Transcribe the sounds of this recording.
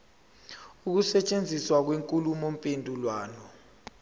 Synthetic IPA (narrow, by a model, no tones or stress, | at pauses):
uk̬usɛt͡ʃʼend͡zʱiswak̬weŋkʼulumom̩pʼendʱulwaːnɔ